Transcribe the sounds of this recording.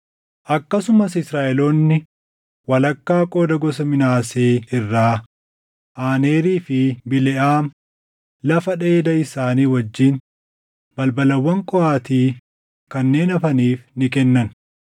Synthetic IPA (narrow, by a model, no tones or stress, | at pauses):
ʔɐkːɐsʊmɐsɪsɾaːʔɛloːnːɪ | wɐlɐkːaːkʼo̞ːd̪ɐɡɔsɐmɪnaːseːɪrːaː | ʔaːneːɾiːfɪbɪlɛʔaːm | lɐfɐᶑe̞ːd̪ɐɪsaːniːwɐd͡ʒːiːn | bɐlbɐlɐwːɐŋkʼɔaːt̪iː | kɐnːe̞ːnɐfɐniːfnɪkɛnːɐn